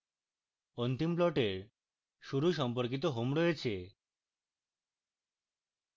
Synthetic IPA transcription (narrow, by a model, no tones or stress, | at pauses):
ont̪implɔʈeɾ | ʃuɾuʃ̬ɔmpoɾk̬it̪̬oɦomɾojet͡ɕʰe